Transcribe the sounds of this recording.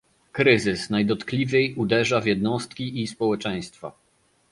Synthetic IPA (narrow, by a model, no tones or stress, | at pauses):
kɾɘzɘsnajd̪ɔt̪klʲivʲjejud̪ɛʐavʲjɛd̪nɔst̪kʲiʔispɔwɛt͡ʂɛ̃j̃st̪fa̰